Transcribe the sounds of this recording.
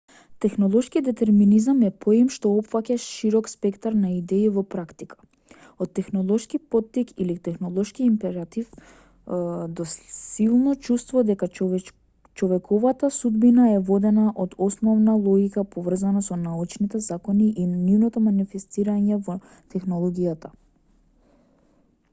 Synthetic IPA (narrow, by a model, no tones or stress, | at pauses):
t̪ɛxnɔlˠɔʃkid̪ɛt̪ɛɾminizamɛpʰoimʃt̪ɔɔpfakʲaʃiɾɔkspɛkt̪aɾnaid̪ɛivɔpɾakt̪ikʰḁ | ɔt̪ːɛxnɔlˠɔʃkipɔt̪ːikilit̪ɛxnɔlˠɔʃkiːmpɛɾat̪if | d̪ɔsilˠnɔt͡ʃust̪vɔd̪ɛka | t͡ʃɔvɛkʰɔvat̪asud̪binaɛvɔd̪ɛnaʔɔd̪ɔsnɔvnalˠɔɡikapɔvr̩zanasɔnaut͡ʃnit̪ɛzakɔniʔinnivnɔt̪ɔmanifɛst̪iɾaɲɛvɔ | t̪ɛxnɔlˠɔɡijat̪a